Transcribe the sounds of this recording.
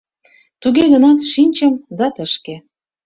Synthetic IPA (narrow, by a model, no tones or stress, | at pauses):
t̪uɣeɣə̆nɑt̪ʃinʲt͡ɕə̆md̪ɑt̪ə̆ʃke